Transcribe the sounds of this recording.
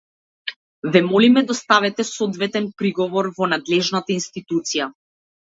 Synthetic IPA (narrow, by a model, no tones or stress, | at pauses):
vɛmɔlimɛd̪ast̪avɛt̪ɛsɔd̪vɛt̪ɛnpɾiɡɔvɔɾvɔnad̪lɛʒnat̪ainst̪it̪ut̪sija